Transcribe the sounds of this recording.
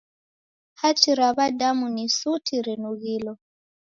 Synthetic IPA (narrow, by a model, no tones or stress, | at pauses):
hat͡ʃiɾaβadamunisutʰiɾɛnuɣilɔ